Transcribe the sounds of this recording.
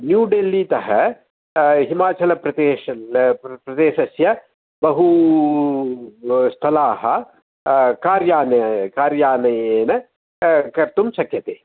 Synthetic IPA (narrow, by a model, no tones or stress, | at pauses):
njuːɖeːlːiːt̪ɐɦɐ | ɦimaːt͡ʃɐlɐpɾɐt̪eːʃɐpɾɐd̪eːʃɐsjɐ | bɐɦu | st̪ʰɐlaːɦɐ̆ | kaːɾjaːnɐkaːɾjaːnɐjeːnɐ | kɐɾt̪umsɐkjɐt̪eː